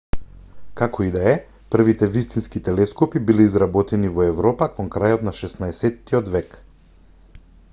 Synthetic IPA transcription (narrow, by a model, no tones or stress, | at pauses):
kakʰɔid̪aɛ | pr̩vit̪ɛvist̪inskit̪ɛlɛskɔpibilɛizɾabɔt̪ɛnivɔɛvɾɔpakɔŋkɾajɔt̪naʃɛsnaɛsɛt̪ːiɔd̪vɛk